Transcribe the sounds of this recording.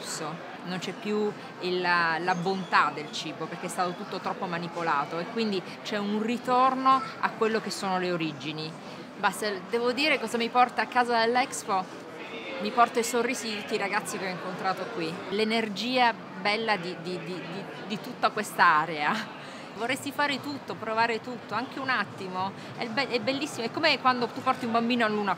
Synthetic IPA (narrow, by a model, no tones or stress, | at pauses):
sːo | nont͡ʃɛpːju | ilalabont̪ad̪ːelt͡ʃiːboperk̟eɛst̪aːt̪ot̪ut̪ːot̪ɾɔpːomanipolaːt̪oekːwind̪i | t͡ʃɛunrit̪ornoakːwelːok̟esːoːnoleoɾid͡ʒini | bast̪ed̪ɛːvod̪iːɾekɔzamipɔrt̪aːkːaːzad̪elːɛksfo | mipɔrt̪aisorːiːzid̪it̪ut̪ːiɾaɡat̪sːikeɔiŋkont̪ɾaːt̪okwilenerd͡ʒiːa | bɛlːad̪id̪id̪id̪i | d̪it̪ut̪ːakwest̪aaːɾea | vorːest̪ifaːɾet̪ut̪ːopɾovaːɾet̪ut̪ːoaŋk̟eunat̪ːimo | ɛ̰bɛɛbːelːisːimoɛkːomekwand̪ot̪upːɔrt̪iumbambiːnoalːuːna